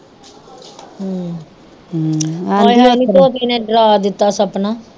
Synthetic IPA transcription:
ɦ | aɦniːt̪oːt̪iːnẽːɖɾaːd̪ɪt̪ːaːsəpnaː

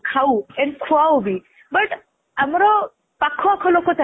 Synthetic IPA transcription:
kʰauɛ̃nkʰuawbʱi | bəʈ | əmɾo | pakʰːoakʰolokot̪a

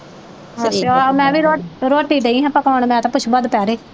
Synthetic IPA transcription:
aomɛ̃ːʋiːɾoːɾoːʈːiːɖeĩːɦɛ̃ːpəkaːɳmɛ̃ːt̪ãpʊt͡ʃʰbəd̪pɛːɾeː

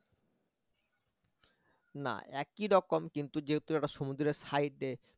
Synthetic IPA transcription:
na̰ʔɛkiɾɔkomkint̪ud͡ʑeɦet̪uɛʈaʃomud̪ɾeɾsajʈːe

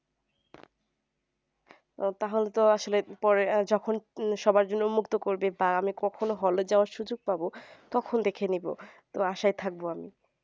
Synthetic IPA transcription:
ot̪aɦolet̪oaʃolepɔɾed͡ʑɔkʰonʃɔbaɾd͡ʑonːomukt̪okoɾbebaamikɔkʰonoɦɔlod͡ʑaoaɾʃud͡ʑoɡ̚pabot̪ɔkʰond̪ekʰenibo̰t̪oaʃajt̪ʰak̚boami

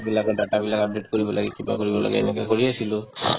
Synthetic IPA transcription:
bilakɔdatabilakabdiʈkoɹibɔlaɡɛkiba̰koɹibɔla̰ɡɛ̰ɛ̰nɛkakoɹiasilʊ

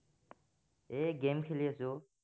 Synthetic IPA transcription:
eːɡeːmkʰelijeso

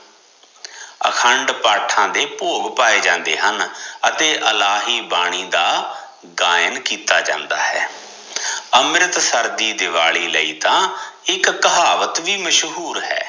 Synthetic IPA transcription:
ə̰kʰəɳɖpaːʈʰãːd̪eːpoːɡpaːeːd͡ʒãːnd̪eːɦənət̪eːʔəlaːɦiːbaːɽ̃iːd̪aː | ɡaːjənkiːt̪aːd͡ʒã̰ːnd̪a̰ːɦɛː | əmɾɪt̪səɾd̪iːd̪ɪʋaːɭiːləiːt̪ãːɪkkəɦaːʋət̪ʋiːməʃɦuːɾɦɛ̰ː

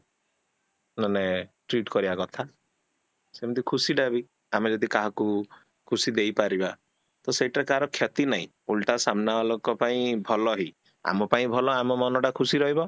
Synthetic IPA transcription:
naneʈɾiʈkɔɾibakɔt̪ʰa | semɔd̪ʱikʰusiɖabi | amed͡ʒɔd̪ikaɦɔku | kʰusid̪ejpaɾiba | t̪ɔseiʈaɾekaɾɔkʰjɔt̪inaɦḭ̃ | ulʈasamnabalokɔpaĩbʱɔlɔɦi | a̰mɔpaĩbʱɔlɔamɔmɔnɔʈakʰusiɾɔɦibɔ

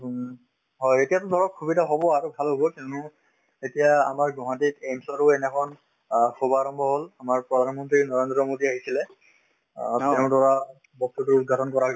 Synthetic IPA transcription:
ɦɔjetijatʊdʱɔɹɔkʰːubidaɦobɔaɹubʱalɦobɔkinʊ | etija̰ːmaɹɡɔɦãtitensɔɹʊɛnɛkʰɔn | xobaɹɔmbʱɔɦolamaɹpɹɔdʱanmɔntɹinɔɹendɹɔmodiaɦisilɛ | teʊ̃dɔɹa | bɔk̚tutʊud̚ɡʱatʰɔnkɔɹa

